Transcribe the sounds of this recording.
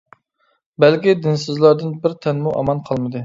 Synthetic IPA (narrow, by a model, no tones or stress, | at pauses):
bælkʲid̪ɪnsɨzlˠɑɾd̪ɨnbɪɾt̪ʰɛnmuʔɑ̰mɑnqʰɑlˠmɨd̪ɨ